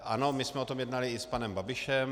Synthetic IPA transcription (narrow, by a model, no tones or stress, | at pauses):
ʔʔa̰nomɪsmɛot̪omjɛdnalɪɪspanɛmbabɪʃɛm